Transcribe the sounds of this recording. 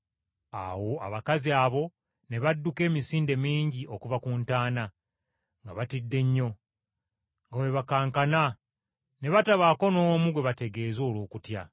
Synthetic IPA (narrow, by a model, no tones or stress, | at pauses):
a̰wo̞a̰βakaziaβo̞ | ne̞βadːuke̞ːmisiːnde̞miːɲɟiʔo̞kuvakuntaːna | ŋɡaβatidːe̞ɲːo̞ | ŋɡawe̞βakaːŋkana | ne̞βataβaːko̞no̞ːmuɡwe̞βate̞ɡe̞ːzo̞ːlo̞ːkutja